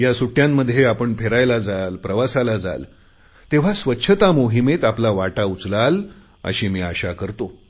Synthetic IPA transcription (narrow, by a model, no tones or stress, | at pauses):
jasuʈjamːəd̪ʱːjeapəɳpʰeɾajlad͡zalpɾəʋasalad͡za̰l | t̪eʋ̤asʋətːɕʰət̪amoɦimet̪aplaʋaʈaut͡slal | ə̰ɕiːmiːaɕakəɾt̪o